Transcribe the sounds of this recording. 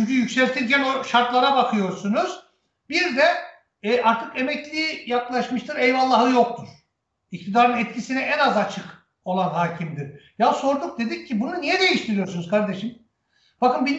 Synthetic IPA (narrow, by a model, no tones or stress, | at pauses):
yɲcʰyjycsɛlʲt̪ʰilʲcænoʃaɾt̪lˠaɾabakʰɯjo̞ɾsunuz̥ | biɾd̪ɛ | ʔaɾt̪ʰɯkemɛclʲiːjaklˠaʃmɯʃt̪ʰɯɾejvalˠːaɦɯjo̞k̚t̪ʰuɾ̥ | ic̚t̪ʰid̪aːɾɯnɛt̪̚cʰisinɛʔɛnazat͡ʃʰɯk | o̞lˠanɦaːcʰimd̪iɾjaso̞ɾd̪uk̚d̪e̞d̪ic̚ʰːibununijɛd̪e̞jiʃt̪ʰiɾijo̞ɾsunuzkʰaɾd̪e̞ʃim | b̥akɯnbi